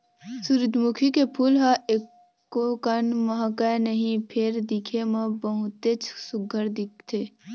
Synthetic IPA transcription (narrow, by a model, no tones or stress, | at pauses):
suɾd̪ʱmukʰikepʰuːlɦaekː | okɐnməɦkanəɦĩpʰeɾd̪ikʰeməbəɦʊt̪et͡ʃʰsʊɡʱəɾd̪ikʰt̪ʰe